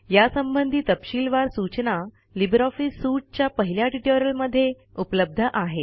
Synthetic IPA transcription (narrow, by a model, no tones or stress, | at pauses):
jasəmbənd̪ʱiːt̪əpɕiːlʋaɾsut͡ɕna | libɾɔfisːuʈ̚t͡ɕjapəɦiljaʈiʈoɾəlməd̪ʱːje | upləb̚d̪ʱəʔaɦe